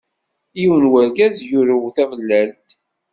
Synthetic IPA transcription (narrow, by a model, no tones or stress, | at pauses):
jiwənwæɾɡæzjʊɾuwθævəlːælt̪